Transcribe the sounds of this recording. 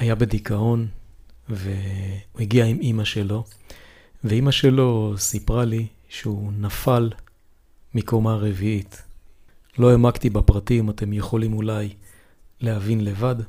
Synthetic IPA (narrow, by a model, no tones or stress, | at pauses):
ajabe̞dikao̞n | veueɡiaimimaʃe̞lo̞ | veimaʃe̞lo̞sipʁali | ʃeunafal | mikomaʁeviit | lo̞emaktibapʁatimate̞mjeχolimulaj | lehavinle̞vad